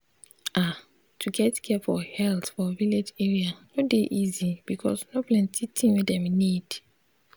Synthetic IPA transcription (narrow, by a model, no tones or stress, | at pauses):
ʔa | tʰuɡɛtkʰɛfɔhɛltfɔviled͡ʒɛɹianodeʔizib̥ikʰɔ̰snoplɛ̃ntitʰĩnwidɛ̃mnid̥